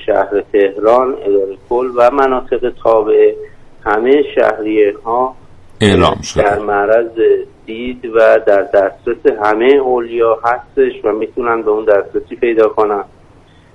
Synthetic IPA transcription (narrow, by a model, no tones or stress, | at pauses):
ʃæ̰hɾet̪ʰe̞hɾɒːne̞̰d̪ɒːɾekʰolːvæmænɒːt̪ʰe̞ɣet̪ʰɒːbe̞e | hæmejeʃæ̰hɾijenɦɒː | elɒ̰ːmʃodd̪æɾmæɾæzed̪̥iːd̪væd̪æɾd̪æsɾeseɦæmejeoljɒːɦæst̪e̞ʃvæmiːt̪ʰunænbeund̪æsɾesiːpʰe̞jd̪ɒːkʰonænd̪